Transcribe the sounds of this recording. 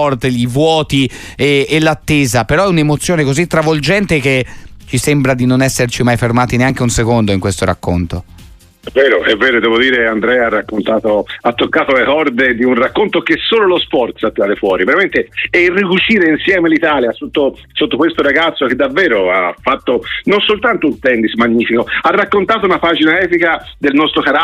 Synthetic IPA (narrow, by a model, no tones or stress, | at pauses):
ɔrt̪eivwɔːt̪ieːlat̪ːeːzapeɾɔɛunemot̪sːjoːnekozit̪ːɾavold͡ʒɛnt̪ek̟et͡ʃisembɾad̪inonɛsːert͡ʃimajfermaːt̪ineaŋk̟eunsekond̪oiŋkwest̪oɾa̰kːont̪o | ɛvːɛːɾoʔɛvːɛːɾod̪ɛːvod̪iːɾeand̪ɾɛarːakːont̪aːt̪oat̪ːokːaːt̪olekɔrd̪ed̪iunrakːont̪ok̟esːoːlolospɔrt̪sat̪ːiɾad̪efwɔːɾiveɾament̪eɛirːikut͡ʃiːɾeinsjɛːmelit̪aːljasot̪ːo | sot̪ːokwest̪oɾaɡat̪sːok̟ed̪ːavːɛːɾoafːat̪ːononsolt̪ant̪ount̪ɛnd̪ismaɲːiːfikoarːakːont̪aːt̪ounapaːd͡ʒinaɛːpikad̪elnɔst̪ɾokaɾa